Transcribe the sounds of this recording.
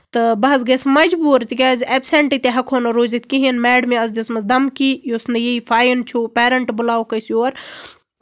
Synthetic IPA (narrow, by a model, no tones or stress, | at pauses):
t̪ɨbɐɦɐzɡɐsmɐd͡ʒbuːɾt̪ikʲaːzʲeːbseɳʈit̪eɦɐkʰonoɾoːzit̪̚ʰʲkiɦiɐnmɛːɖmẽɐzd̪ismɐzd̪ɐmkiːjosnɐjeiːfʰaːjint͡ʃʰoːpeːɾɐɳʈbʊlaːwkɐjsjoːɾ